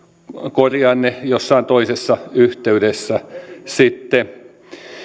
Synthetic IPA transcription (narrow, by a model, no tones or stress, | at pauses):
korjɑnːejosːɑint̪oisesːɑyht̪eydesːæsit̪ːe